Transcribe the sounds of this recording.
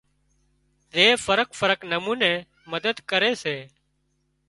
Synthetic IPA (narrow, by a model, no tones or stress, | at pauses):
zeːfəɾəkfəɾəknəmuːnẽː | məd̪əd̪kəɾeːseː